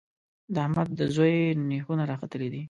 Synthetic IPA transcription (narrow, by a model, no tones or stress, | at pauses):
d̪əahmad̪̚d̪əzojnexunaɾɑxat̪əled̪i